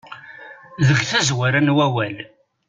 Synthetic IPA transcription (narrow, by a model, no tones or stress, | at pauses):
ðəɡθæzwæɾænwæwæl